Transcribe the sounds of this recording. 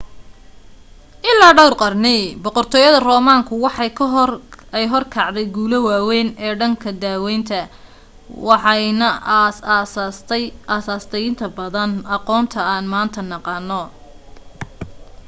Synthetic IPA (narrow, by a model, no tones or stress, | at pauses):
ʔɪlaːɖɐwrqɑrnɪbɔqɔrt̪ʰɔːjɐðɐrɔːmaːŋkʰʊwɑħɑkʰ | ɛjɦɔrkʰɑʕd̪ɛjɡuːlɐwaːwɛːnɛːɖɐŋkʰɐd̪aːwɛjnt̪ʰɐ | wɑħɑnɐ | aːsaːst̪ʰɛjɪnt̪ʰɐbɐðɐnɑqɔːnt̪ʰɐaːnmaːnt̪ʰɐnɑqɑːnːɔ